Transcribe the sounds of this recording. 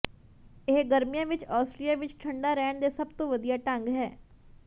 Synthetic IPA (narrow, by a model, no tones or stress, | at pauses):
ɪɦɡəɾmijãːʋɪt͡ʃaːsʈɾijaːʋɪt͡ʃʈʰəɳɖaːɾɛːɳd̪eːsəbt̪õːʋəd̪ijaːʈə̃ŋɡɦɛː